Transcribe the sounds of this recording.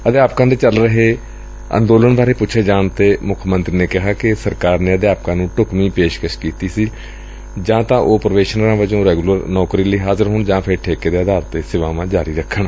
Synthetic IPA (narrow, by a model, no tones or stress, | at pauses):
əd̪eaːp̚kãːd̪eːt͡ʃəlɾəɦeː | ə̰̃nd̪oːləɳbaːɾeːpʊːʃʰeːd͡ʒaːɳt̪eːmʊkʰmənt̪ɾiːneːkɪɦaːkɪsəɾkaːɾneːəd̪jaːp̚kãːnũːʈʊkmiːpeːʃkəʃkiːt̪iːsiː | d͡ʒãːt̪ãːʔoːpɾəʋeːʃənəɾãːʋəd͡ʒõːɾɛːɡuləɾnɔːkɾiːləiːɦaːzəɾɦoːɳd͡ʒãːpʰɪɾʈʰeːkeːd̪eːəd̪aːɾt̪eːsɪʋaːʋãːd͡ʒaːɾiːɾəkʰːəɳ